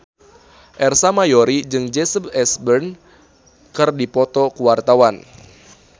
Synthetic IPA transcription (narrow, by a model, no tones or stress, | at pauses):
ʔɛrsamajoɾid͡ʒɨŋd͡ʒɛsəbɛsbərn | kɨrdipɔt̪ɔkuwart̪awan